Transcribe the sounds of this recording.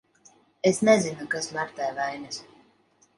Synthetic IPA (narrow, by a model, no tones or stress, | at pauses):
esnezinukasmaɾt̪ajvajnʲɨs